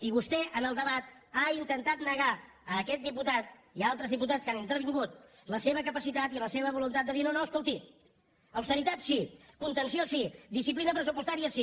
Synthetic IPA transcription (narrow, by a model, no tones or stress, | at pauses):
iβust̪ɛʔənəlˠd̪əβ̞at̪aint̪ənt̪at̪nəɣa | əkɛt̪̚d̪iput̪at̪̚ | ialˠt̪ɾəzðiput̪̬atskanint̪ɾəɾβ̞iŋɡut̪̚ | ləseβəkəpəsit̪at̪iləseβ̞əβulunt̪at̪d̪əðiɾnonoəskolˠt̪i | əwst̪əɾit̪at̪sikunt̪ənsiosiðisiplinəpɾəsupust̪aɾiəsi